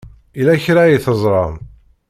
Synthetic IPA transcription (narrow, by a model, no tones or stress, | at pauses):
ilæçɾajiθəzˤɾˤɑn